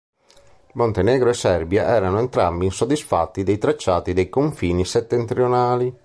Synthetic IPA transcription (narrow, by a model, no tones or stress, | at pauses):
mont̪enɛːɡɾoɛsːɛrbjaʔɛːɾanoɛnt̪ɾambinsod̪isfa̰t̪ːid̪ɛjt̪ɾat͡ʃːaːt̪id̪ɛjkoɱfiːnisɛt̪ːɛnt̪ɾionaːli